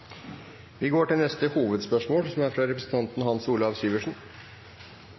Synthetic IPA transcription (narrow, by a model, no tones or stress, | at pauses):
ʋɪɡoːʈɪlnɛst̪əhuːʋəd̪spœʂmoːlsɔmæɾfɾɑɾɛpɾəsn̩t̪ʰɑnt̪n̩hɑnsuːləɑʋsyːʋəʂɳ̩